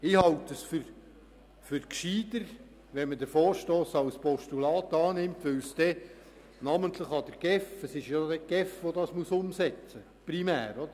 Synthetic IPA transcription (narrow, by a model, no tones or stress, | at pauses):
ɪhɑltəsfʏɾ | fʏɾkʃiːd̪əɾ | ʋɛnməd̪əɾfoːɾʃtoːsɑwspɔʃtulɑːt̪ɑːnɪmt̪ʋɵwsd̥̪ɛ | nɑmənt̪ləχɑd̪əɾɡ̥ɛfəsɪʃjɑd̪ɛɡ̥ɛfʋɔd̪ɑsmuəsʊmsɛt͡sə | pɾimæːɾɔd̪ə